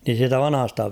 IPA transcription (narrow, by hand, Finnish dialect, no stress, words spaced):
niːn̞ siːtæ ʋɑnɑ̆hɑstɑ